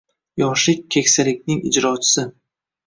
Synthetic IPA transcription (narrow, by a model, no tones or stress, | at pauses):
jɒʃlɪk̚ʲkʰʲːekʲsalɪkʲnɪŋɪ̰d͡ʒɾɒt͡ʃʰɪ̥sɪ